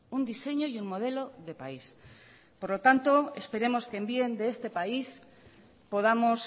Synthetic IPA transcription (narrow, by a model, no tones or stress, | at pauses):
und̪ise̞ɲo̞junmo̞ð̞e̞lo̞ðe̞pais | po̞ɾlo̞t̪ant̪o̞e̞̰spe̞ɾe̞mo̞skembje̞nd̪e̞est̪e̞pais | po̞ð̞amo̞s